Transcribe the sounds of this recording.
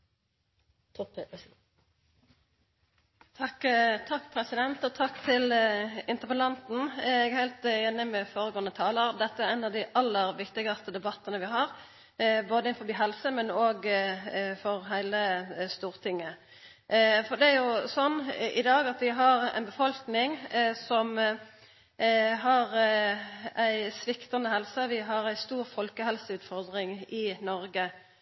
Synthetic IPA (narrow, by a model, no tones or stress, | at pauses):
t̪ʰɑkːt̪ʰɑkːpʰɾɛsɪd̪ɛnt̪ɔt̪ʰɑkːt̪ʰɪlɪnt̪əpəlɑnt̪n̩ɛɡæhæɪlt̪jɛnːəmɛfoːɾəɡoːənət̪ʰɑːləɾʁd̪ɛt̪ːəæɾɛɪnɑʋd̪ɪʔɑlːəɾʋɪkt̪ɪɡɑst̪əd̪ɛbɑt̪ːənəʋɪɦɑːɾ | boːd̪əɪnfɔbiːɦɛlsəmɛnoːɡ | fɔʁɦæɪləst̪uːɾt̪ʰɪŋːə | fɔd̪ɛæɾjʊsɔnːɪd̪ɑːɡɑt̪ʋɪɦɑʁæ̰ɪnbəfɔlknɪŋsɔm | ɦɑɾ | æɪsʋɪkt̪ɑnəhɛlsəʋɪɦɑɾæɪst̪uːɾfɔlkəhɛlsəʉːt̪fɔɾd̪ɾɪŋɪnɔɾɡə